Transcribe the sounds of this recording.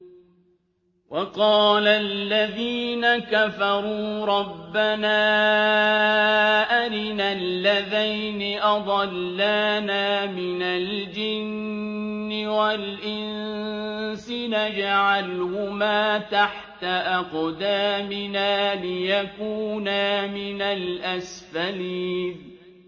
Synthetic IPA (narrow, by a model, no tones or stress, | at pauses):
wʔɑqɑːlalːaðiːnakafɑɾˤuːɾˤɑbːanaː | ʔaɾɪnalːaðajnɪʔɑd̪ˤɑlːaːnaːmɪnald͡ʒɪnː | ɪwalʔɪn | sɪnad͡ʒaʕalhʊmaːt̪aħt̪aʔɑqd̪aːmɪnaːlɪjakuːnamɪnalʔasfaliːd̪